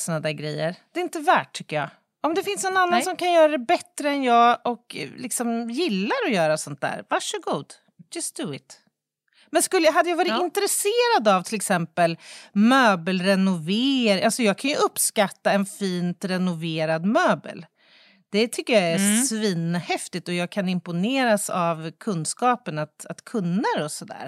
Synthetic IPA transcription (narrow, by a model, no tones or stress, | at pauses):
sɔnad̪æɡɾɛ̰jːəɾd̪̥ɛɪnt̪əvæ̰ːʈ̚ʰːʏkːəjɑ̰ː | ɔmd̪ɛfɪnsnɔnanːansɔmkʰanjœːɾad̪ɛbɛt̪ːɾəɛnjɑːɡɔklɪksɔmjɪlːaɾɔjœːɾasɔnt̪̚d̪æ̰ːɾvaʂəɡuːd̪ | d͡ʒast̪d̪uɪ̰t̪ | mɛnskɵlːəɦad̪ːəjavɑːɾɪɪnt̪əɾɛseːɾad̪avt̪ʰɪlɛksɛmpəlmøːbəlɾɛnʊveːɾʔalsɔjɑːɡ̚kʰanjɵɵpːskat̪ːaɛnfiːnt̪ɾɛnʊveːɾad̪møːbə̰l | d̪̥ɛt̪ʰʏkːəjaæsviːnhɛft̪ɪt̪ɔjɑːɡ̚kʰanɪmpʊneːɾasa̰vkʰɵnskɑːpənat̪a̰t̪kʰɵnːəɾɔsɔd̪æ̰ːɾ